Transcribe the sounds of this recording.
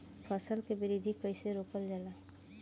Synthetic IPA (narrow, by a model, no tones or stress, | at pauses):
pʰəsəlkebɪɾid̪ʱikəɪseɾoːkəld͡ʒala